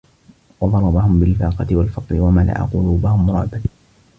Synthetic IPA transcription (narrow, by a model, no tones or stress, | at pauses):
wɑd̪ˤɑɾˤɑbahʊmbɪlfɑːqɑt̪ɪwalfɑt̪ˤlɪwamana̰ʔa̰qʊluːbahʊmʊɾˤɑ̰ʕb̪a